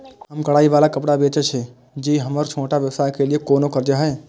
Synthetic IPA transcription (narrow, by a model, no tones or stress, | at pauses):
ɦəmkəɽaːiʋaːlakəpɽabet͡ʃɛt͡ʃʰɛ | d͡ʒiɦəməɾt͡ʃʰoːʈaʋjəʋsaɦkeliekoːnokəɾd͡ʒaɦɛː